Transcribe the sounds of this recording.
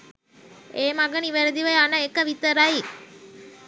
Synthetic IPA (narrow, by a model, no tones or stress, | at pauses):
eːmaɡəniʋæɾed̪iʋɐjanəekəʋit̪əɾai